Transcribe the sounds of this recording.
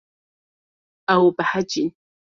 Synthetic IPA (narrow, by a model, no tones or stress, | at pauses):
awpaħat͡ʃɪn